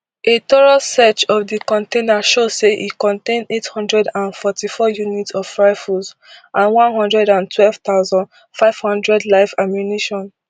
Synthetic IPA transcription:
ʔetoɹalsɛt͡ʃɔvdikɔ̃ntẽnaʃozseʔḭkɔ̃ntẽndethɔ̃ndɹɛdãnfɔtifɔjunitɔv̥fɹajfuz | ʔãnwɔ̃nɦɔ̃ndɹɛdãntʰwɛlv̥t̪aʊzɔ̃nd | faɪv̥hɔ̃ndɹɛdlaɪvamjuniʃɔ̃n

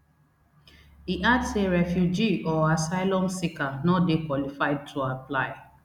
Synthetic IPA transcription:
iʔadseɾɛfjud͡ʒiɔasaɪlɔ̃msikanɔdekwɔlifaɪd̚tʰuaplaɪ

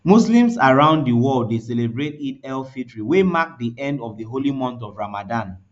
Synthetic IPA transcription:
muslĩmsaɹãʊ̃nddəwɔldeselebɹet̚itɛlfitɹiwemak̚diʔɛ̃ndɔvðiɦolimɔ̃ntɔvɹamadãn

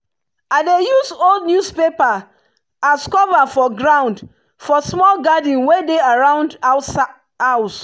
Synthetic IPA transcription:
aɪdejuzoldnjuspepa | askɔvafɔɡɹãʊ̃nd | fɔsmɔlɡadĩnwedeaɹãʊ̃nds | aʊs

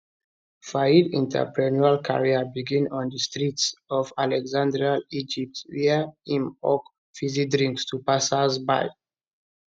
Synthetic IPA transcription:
faidḭ̃ntʰɛ̰pɹɛnualkʰa̰ɹiabiɡĩnɔ̃ndəstɹitsɔvalɛɡzãndɾɹialid͡ʒip̚twiaĩmɔ̰k | fizik̚dɹĩŋkstʰupasazba̰j

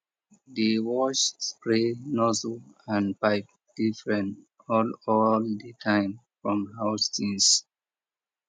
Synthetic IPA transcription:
dewɔʃspɹenɔzlãnpaɪp̚ | d̥ifɹɛ̃nt | ɔlɔldətʰãɪ̃mfɹɔ̃mhaʊstĩns

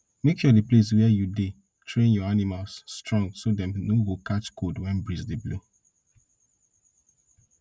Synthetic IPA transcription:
mekʃɔdiples̬wɛjude | tʰɹẽnjɔanimalsːtɹɔ̃ŋɡsodɛ̃mnovokat͡ʃkodwɛ̃nbɹisdiblu

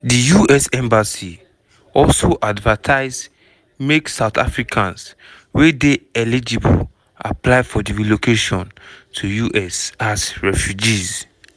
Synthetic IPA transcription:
dijuʔɛsɛ̃mbasi | ɔlsoʔadvatʰaɪz | meksaʊtʰa̰fɹikʰãns | wedeɛlid͡ʒibo̰ | a̰pʰlaɪfɔdivilokʰeʃɔ̃ntʰujuʔɛsasɹɛfjud͡ʒiz

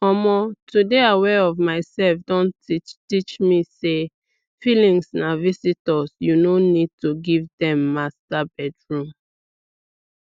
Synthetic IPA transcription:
ɔmɔtʰudeawɛɔvmaɪsɛlfdɔ̃ntit͡ʃtit͡ʃmise | filĩŋsnavisitɔsjunonid̚tuɡivdɛ̃mːastabɛdɹũm

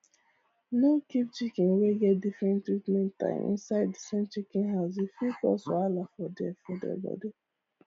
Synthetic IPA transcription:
nokip̚t͡ʃikĩnweɡɛt̚difɹɛ̃ntːɹitmɛ̃ntã̰ɪ̰̃mʔḭ̃nsaɪddisẽmt͡ʃikĩnɦaʊs̬ifikɔ̰soalafɔdɛfɔdɛ̰bɔ̰di

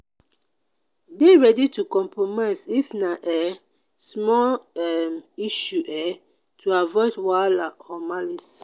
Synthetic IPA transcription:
deɹɛditukɔ̃mpɹomaɪzifnaʔɛ | smɔlɛmiʃuʔɛ | tʰuavɔɪdwalaɔmalis

